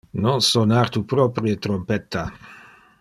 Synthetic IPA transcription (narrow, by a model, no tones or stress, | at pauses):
nɔŋsonaɾt̪upɾɔpɾjet̪ɾompɛt̪ːa